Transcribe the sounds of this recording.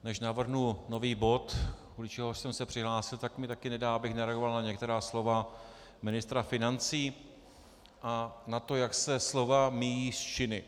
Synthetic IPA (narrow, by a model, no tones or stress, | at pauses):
nɛʃnavr̩ɦnuno̞viːbo̞t̪kulɪt͡ʃɛɦoʃsɛmsɛpr̥ɪɦlaːsɪlt̪akmɪt̪akɪnɛdaːabɪxnaɾɛaɡovalnaɲɛkt̪ɛɾaːslo̞va | mɪnɪst̪ɾafɪnant͡siː | ʔanat̪o̞jaksɛslo̞vamijiːst͡ʃɪnɪ